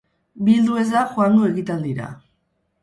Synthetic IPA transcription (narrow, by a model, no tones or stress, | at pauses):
bild̪ue̞zðaxoaŋɡo̞e̞ɣit̪ald̪iɾa̰